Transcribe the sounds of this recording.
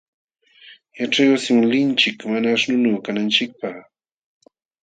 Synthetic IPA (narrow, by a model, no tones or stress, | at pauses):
jaʈ͡ʂajwsɪmʊlɪnt͡ʃɪkmanaːʃnʊnoːkanant͡ʃɪk̚paχ